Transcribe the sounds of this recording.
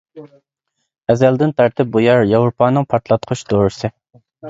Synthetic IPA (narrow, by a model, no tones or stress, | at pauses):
ɛzɛld̪ɪnt̪ʰɑɾt̪ʰɪp̚bujɑɾjɑwɾupʰɑːnɨŋpʰɑɾt̪ʰlˠɑt̪̚qʰʊʃd̪oːɾɨsɨ